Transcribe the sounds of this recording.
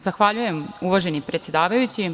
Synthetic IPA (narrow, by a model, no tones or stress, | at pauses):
zaxʋaʎuje̞muʋaʒe̞nipɾet̪sjed̪aːʋajut͡ɕi